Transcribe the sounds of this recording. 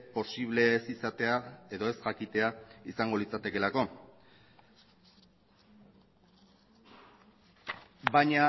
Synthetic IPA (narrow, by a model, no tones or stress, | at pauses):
po̞siβ̞le̞ːsisat̪e̞ae̞ðo̞e̞sʝakit̪e̞aisaŋɡo̞lit͡sat̪e̞ke̞lako̞ | βaɲa